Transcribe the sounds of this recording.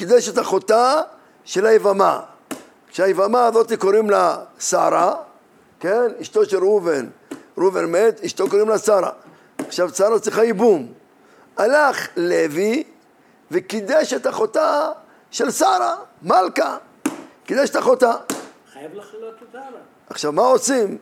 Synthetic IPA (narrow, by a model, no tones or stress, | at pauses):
kid̪eʃet̪aχo̞t̪a | ʃelaevama̰ | kʃeajevamaːzo̞t̪ikoɾimlasaɾa | keniʃt̪oʃeluvenɾuvenmet̪iʃt̪okoɾimlasaɾa̰ | aχʃavsaɾat͡sʁiχaibum | alaχlevi | vekid̪eʃet̪aχo̞t̪a | ʃelsaɾamalka | kid̪eʃet̪aχo̞t̪a | aχʃavmaosim